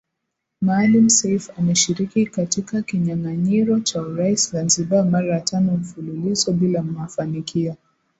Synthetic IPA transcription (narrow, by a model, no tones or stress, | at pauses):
maːlim̩sɛifamɛʃiɾikikatikakiɲaŋaɲiɾɔt͡ʃauɾaiszanziɓamaɾajatanɔm̩fululizɔɓilam̩afanikʰia